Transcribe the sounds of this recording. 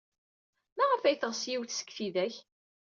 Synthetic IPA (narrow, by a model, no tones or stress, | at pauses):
mæʁəfæjθəʁsjiwθsə̥kːθiðæç